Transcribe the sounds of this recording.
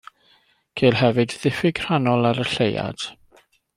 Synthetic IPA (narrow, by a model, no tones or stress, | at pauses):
kʰeːlˠɦɛvɨdðɪfɪɡr̥anɔlˠaɾəɬeja̰d̥